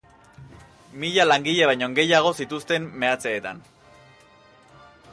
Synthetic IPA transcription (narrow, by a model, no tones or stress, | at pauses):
miʎalaŋɡiʎe̞β̞ajɲo̞ŋɡe̞jaɣ̞o̞sit̪ust̪e̞mːe̞at͡se̞ːt̪a̰n